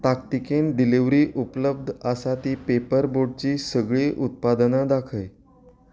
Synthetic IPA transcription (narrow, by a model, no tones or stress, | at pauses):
t̪akt̪ikenɖiliʋɾiːʔupləb̚d̪ʱəsat̪iːpepəɾboɖ̚t͡ɕiːsəɡɭiʔut̪̚pad̪nad̪akʰəj